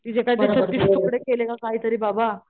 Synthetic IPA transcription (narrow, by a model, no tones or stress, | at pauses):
t̪id͡ʑekajitesʰət̪ːissukɽekelekakaɦiːt̪əɾiːbaba